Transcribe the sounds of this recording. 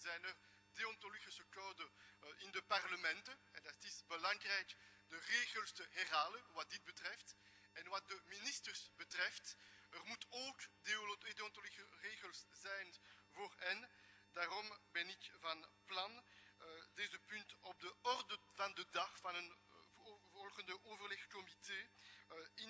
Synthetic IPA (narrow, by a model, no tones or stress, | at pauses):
zɛjnər | deɔntoliɣisəkoːdəɪndəparləmɛntəɛdɑtɪsbəlɑŋrɛjkdəreːɣəlˠstəɦɛrɦaːlənʋɑt̚dɪd̚bətrɛft | ɛnʋɑt̚dəministərsbətrɛftərmutoːkdedotolisəreːɣəlszɛjn | voːrɛn | daːrɔmbɛnɪkvɑnplɑn | deːzəpyntɔb̚dəɔrdəv̥ɑndədɑχvɑnən | vɔlˠɣəndəʔoːvərlɛxkɔmiteː | ɪn